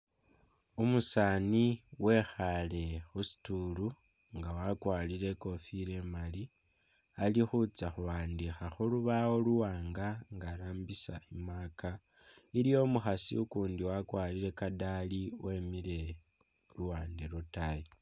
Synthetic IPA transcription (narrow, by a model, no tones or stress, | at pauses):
umusaːniwe̞xale̞xusi̥tulu | ŋɡawakwaːlile̞ko̞fiɾe̞mali | alixut͡saxuβaːndixaxuluβawo̞luwaːŋɡaŋɡaɾaːmbisa̰imaːka | iɾijo̞muxasḭukuːndiwakwaːliɾe̞kadaliwe̞ːmiɾe̞ | luwaːndelotaji